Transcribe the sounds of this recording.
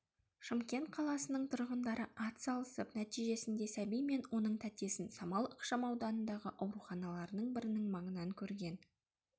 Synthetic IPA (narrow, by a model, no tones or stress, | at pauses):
ʃəmkʲe̞nt̪̚qʰɑlˠɑsənəɴt̪ʰʊɾʁənd̪ɑɾəʔɑt̪sɑlˠəsəpnæt̪ijʒe̞sɪnd̪e̞sæbijme̞nwo̞nəɴt̪ʰæt̪e̞sɪnsɑmɑlˠəqʃɑmɑwd̪ɑnənd̪ɑʁəʔɑwɾuχɑnɑlˠɑɾənəɴbɪɾɪnɪŋmɑɴənɑŋkʲʰɵɾɡʲe̞n